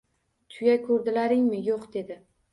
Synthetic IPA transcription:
t̪ʰʊjajkʰɵɾd̪ɪlaɾɪŋmɪjoqd̪e̞d̪ɪ

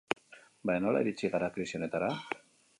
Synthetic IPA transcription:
bajno̞la̰iɾit͡ʃiɣaɾakɾisione̞t̪aɾa

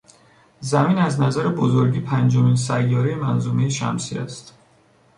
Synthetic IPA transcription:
zæmiːnæznæzæɾebozoɾɟiːpʰænd͡ʒominsæjːɒːɾejemænzuːmejeʃæ̰msḭːæ̰st̪

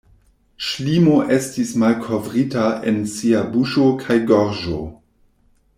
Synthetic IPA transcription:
ʃlimoʔestismalkʰo̞vʁitaʔḛnsiabuʃokʰajɡoɾʒo̰

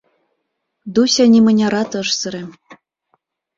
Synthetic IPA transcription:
d̪usʲɑnʲimɤ̆nʲɑɾɑt̪ɤʂsɤ̆ɾĕm

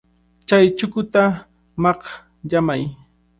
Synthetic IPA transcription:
t͡ʃajt͡ʃʊkʊt̪a | mɑq | ʎamaj

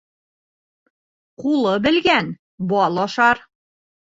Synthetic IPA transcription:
qulˠɤbɘ̆lɡæn | bɒlˠɒʃɑɾ

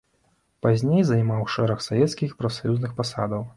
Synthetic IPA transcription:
pazʲnʲejzɐjmawʂɛɾɐxsavʲɛt̪skʲixpɾɐfsajuznɨxpasa̰d̪ɐw

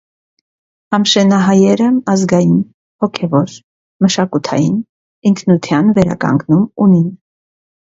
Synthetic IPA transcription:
ɑmʃɛnɑɦɑjɛɾəɑzɡɑjin | hɔkʰɛvɔɾ | məʃɑkut̪ʰɑ̰jin | iŋkʰnut̪ʰjɑnvɛɾɑ̰kɑ̰ŋɡnumunin

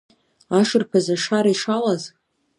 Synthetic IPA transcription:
aʂɨrpʰazaʂaɾaiʂalaz

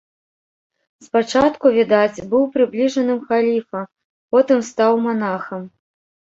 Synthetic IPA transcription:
spat͡ʂat̪kuvʲid̪at͡sʲbɨwpɾɨblʲiʐɐnɨmxalʲifɐ | pɔt̪ɨmst̪awmanaxɐm

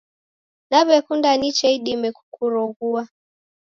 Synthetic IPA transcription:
naβɛkundanit͡ʃɛiɗimɛku̥kuɾɔɣua

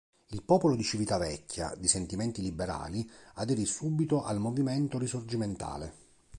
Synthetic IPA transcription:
ilpɔːpolod̪it͡ʃivit̪avɛkʲʰːja̰d̪isent̪imɛnt̪ilibːeɾa̰ːliad̪ɛɾisubit̪oʔalmovimɛnt̪oɾisord͡ʒiment̪a̰ːle

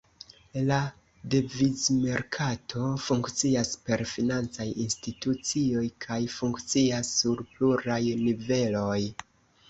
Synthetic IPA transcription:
la | devizme̞ɾkʰatʰo̞fuŋkt͡siaspe̞ɾfinant͡sajinstitut͡sio̞jkʰajfuŋkt͡siasːuɾpluɾajnive̞lo̞j

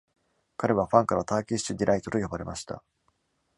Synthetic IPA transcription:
kaɾe̞β̞aɸãŋkaɾat̪aːkʲi̥ɕid̪ʲiɾʔait̪o̞t̪o̞jobaɾe̞maɕi̥t̪a̰

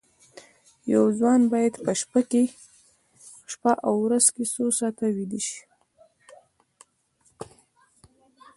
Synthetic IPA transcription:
jawzwɑnbɑjad̪pəʃpake | ʃpaʔawɾazkesosɑt̪awid̪iʃi̥

